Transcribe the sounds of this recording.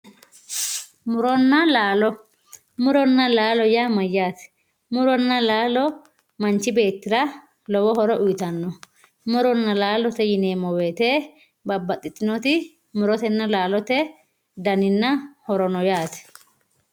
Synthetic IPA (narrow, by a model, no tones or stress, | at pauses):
mʊɾɔnːɐlaːlɔ | mʊɾɔnːɐlaːlɔjamɐjːaːt̪ɛ̥ | mʊɾɔnːɐlaːlɔ | mɐnt͡ʃːɪbe̞ːt̪ːɪɾɐ | lɔwɔɦɔɾɔʔʊjɪt̪ɐnːɔ | mʊɾɔnːɐlaːlɔt̪ɛjɪneːmɔweːt̪eː | bɐbːɐt̪ʼːɪt̪ʼːɪnɔt̪ɪ | mʊɾɔt̪ɛnːɐlaːlɔt̪ɛ | d̪ɐnɪnːɐhɔɾɔnɔjaːt̪ɛ̥